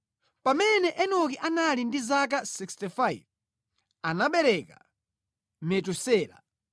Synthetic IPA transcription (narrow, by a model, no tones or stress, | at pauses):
pamɛnɛʔɛnɔkiʔanalindizak̬asikstifaiv | anaɓɛɾɛka̰ | mɛtusɛːla̰